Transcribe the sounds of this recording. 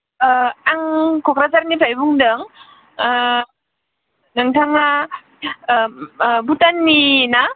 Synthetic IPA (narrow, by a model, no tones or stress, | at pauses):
aŋkʰɔkɾazaɾnipʰajbuŋdɯŋ | naŋtʰaŋna | butanːina